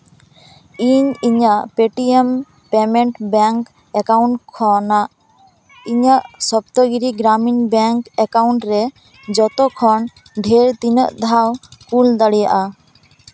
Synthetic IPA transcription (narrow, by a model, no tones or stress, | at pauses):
iɲiɲaʔpeʈiem | pɛmeɳʈbɛŋk | ɛkawɳʈkʰːɔnaʔ | iɲaʔsɔp̚t̪ɔɡiɾiɡɾaminbɛŋkɛkawɳʈɾɛ | d͡ʒɔt̪ɔkʰɔn | ɖʱeɾt̪inəʔd̪ʱawkuld̪aɽija̰ʔa